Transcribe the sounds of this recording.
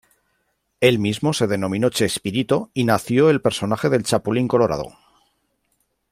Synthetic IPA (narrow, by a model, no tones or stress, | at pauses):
e̞lmizmo̞se̞ð̞e̞nõ̞mĩno̞t͡ʃe̞spiɾit̪o̞inaθjo̞e̞lpe̞ɾso̞naxe̞ð̞e̞lt͡ʃapuliŋko̞lo̞ɾa̰ðo̰